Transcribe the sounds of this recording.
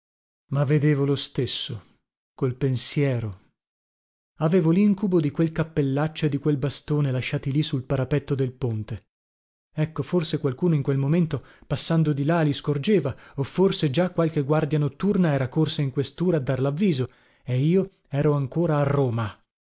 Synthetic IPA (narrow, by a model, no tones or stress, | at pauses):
mavːed̪eːvolost̪esːo | kolpensjɛːɾo | aveːvoliŋkubod̪ikwelkapːelːat͡ʃːoed̪ːikwelbast̪oːnelaʃːaːt̪ilisulpaɾapɛt̪ːod̪elpont̪e | ɛkːoforsekwalkuːnoiŋkwelmoment̪opasːand̪od̪ilaliskord͡ʒeːvaofːorsed͡ʒakːwalkeɡward̪janot̪ːurnaɛːɾakorsaiŋkwest̪uːɾaːd̪ːarlavːiːzo | eiːo | ɛːɾoaŋkoːɾaːrːoːma